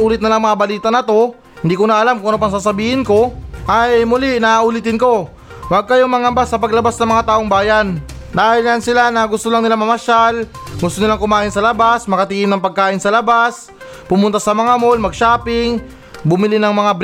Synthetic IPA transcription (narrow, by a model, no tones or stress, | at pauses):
ʔuːlɪt̪̚nɐlaŋmɐŋabɐliːt̪ɐnɐt̪o̞ | hɪnd̪iːkonɐʔɐlamkʊŋʔɐnop̬ɐŋsaːs̬ɐbiːhɪnko̞ʔajmʊlɪʔnaaʔulɪt̪ɪnko̞ | waɡ̚kɐjomɐŋɐmbasːɐpɐɡlɐbasnɐŋmɐŋat̪aːʔoŋbaːjan | d̪aːhɪlɲansɪlanɐɡʊst̪olaŋnɪlamɐmɐʃalɡʊst̪onɪlaŋkʊmaːʔɪnsɐlɐbasmɐkɐt̪iːʔɪmnɐŋpɐɡ̚kaːʔɪnsɐlɐbas | pʊmʊnt̪asɐmɐŋamolmɐɡ̚ʃaːpɪŋ | bʊmɪlɪnɐŋmɐŋab